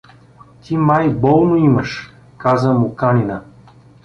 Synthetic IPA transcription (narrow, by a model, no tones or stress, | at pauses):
t̪ʰimajbɔlˠnoiməʃ | kazəmʊkanʲinə